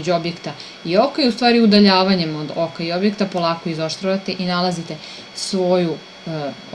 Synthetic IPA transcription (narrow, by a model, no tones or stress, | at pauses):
d͡ʑuo̞bjekt̪a | io̞kaiust̪ʋaːɾiud̪aʎaːʋaɲe̞mod̪okaio̞bjekt̪apo̞lˠaːko̞izoʃt̪ɾaʋat̪e̞ʔinalˠazit̪e̞ | sʋo̞ju